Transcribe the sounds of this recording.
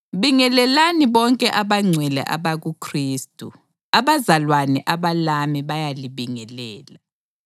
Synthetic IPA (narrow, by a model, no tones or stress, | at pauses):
βiŋɛlɛlaniβɔŋkʼɛʔaβaŋ͡ǀʱwɛlɛ̰ʔa̰βaɣukʰriːstʼu | aβazalwanɛʔaβalamiβajaliβiŋɛlɛːla